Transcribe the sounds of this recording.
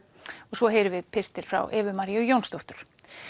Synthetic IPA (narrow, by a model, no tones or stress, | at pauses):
ɔɣsvɔɦeːjɾɪvɪðpʰɪst̪ɪɾ̥fɾa̰wʔɛːvʏmaɾiœjownst̪oht̪ʏɾ̥